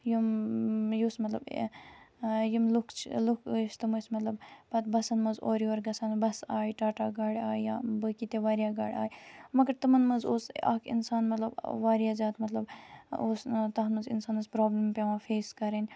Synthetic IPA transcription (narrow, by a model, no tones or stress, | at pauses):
jumjusmɐt̪lɐb | jimlukʰt͡ʃʰlukʰːst̪ɨmɨsmɐt̪lɐbpɐt̪̚bɐsɐnmɐzoːɾioːɾɡɐsaːnbɐsaːjʈaːʈaːɡaːɽʲaːjjaːbɨkit̪eʋaːɾjaːɡaːɽʲa̰ːjmɐɡɐɾt̪ɨmɐnmɐzoːsɐ̰kʰḭnsaːnmɐt̪lɐbʋaːɾjaːzaːt̪mɐt̪lɐboːst̪ɐɦnmɐzḭnsaːnɐzpɾoːblimpʲeʋãːfeːskɐɾenʲ